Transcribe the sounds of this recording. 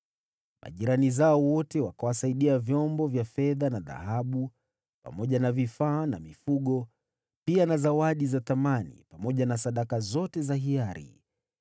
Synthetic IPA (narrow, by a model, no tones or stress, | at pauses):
mʔa̰ʄiɾanizaɔwɔtɛwakawasaiɗiavjɔmbɔvjafɛðanaða̰haɓu | pa̰mɔʄanavifaːna̰mifuɠɔ | pianazawaɗizaθamanḭpamɔʄanasaɗakazɔtɛzaɦiaɾḭ